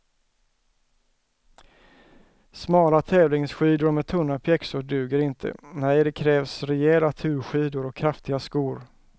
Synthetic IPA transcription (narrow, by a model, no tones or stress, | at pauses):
smɑːlat̪ʰɛːvlɪŋsɧiːd̪ʊɾmɛt̪ʰɵnːapʰjɛksʊɖʉ̟ːɡəɾɪnt̪ʰə̰nɛjd̪ɛkʰɾɛːvsɾɛɛlat̪ʰʉ̟ːɾɧiːd̪ʊɾɔkʰːɾaft̪ɪɡaskuːɾ